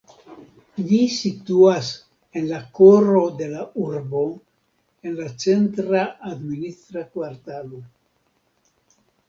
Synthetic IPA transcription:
ʎisituas | e̞nlakoɾo̞d̪e̞lauɾbo̞ | e̞nlat͡se̞ntɾaːd̪minist̪ɾakwaɾt̪alo

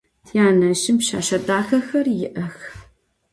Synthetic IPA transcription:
jaːnɐʃɪmpʃa̰ːʃɐdaːxɐxɐrjɪʔɐx

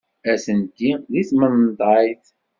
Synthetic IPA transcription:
æsənt̪iðiθmənnt̪ˤɑjθ

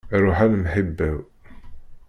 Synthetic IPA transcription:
ɾˤʊħanmħəbːæw

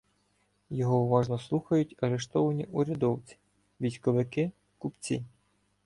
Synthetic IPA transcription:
jɔɦɔʊʋɑʒnɔslˠuxɐjʊtʲɐɾeʃt̪ɔʋɐnʲiʔuɾʲɐd̪ɔwt͡sʲi̥ | ʋʲijsʲkɔʋɪkɪ | kupt͡sʲḭ

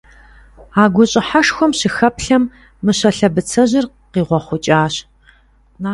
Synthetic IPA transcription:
aːɡʷʊɕʼɪħaʂxʷɔmɕɪxɐpɬɐmː | ɨɕɐɬɐbɨt͡sʰɐʑɪr | qiːʁʷɔχʷʊt͡ʃʼaːɕ | na

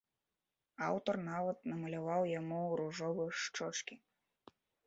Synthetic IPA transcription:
awt̪ɔrnavɐt̪̚nɐmɐlʲavawjamuwɾuʐɔvɨjʂt͡ʂɔt͡ʂkʲi

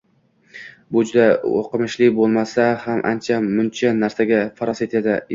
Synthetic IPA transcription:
bʊd͡ʒʊd̪ao̰qʰɨmɪʃlɪbolˠmasahamʔa̰nt͡ʃʰamʊnt͡ʃʰanaɾsaɡʲafaɾɒse̞t̪ʰad̪ɪ

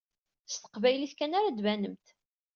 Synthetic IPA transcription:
st̪ə̥qvæjliθkænaɾad̪vænəmt̪

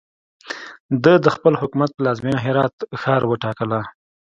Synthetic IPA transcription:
d̪əd̪əxpəlhʊkumat̪̚pəlɑzminaɦɪɾɑt̪xɑɾwəʈɑkəla

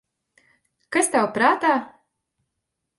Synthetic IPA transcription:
kast̪awpɾaːt̪aː

